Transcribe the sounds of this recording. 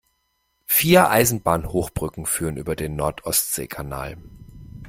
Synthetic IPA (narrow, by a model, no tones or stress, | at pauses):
fiːɐʔaɪzn̩baːnhoːxb̥ʁʏkŋ̩fyːʁ̞ənʔy̰ːbɐdeːnːɔɐtʰʔɔstz̥ḛːkʰana̰ːl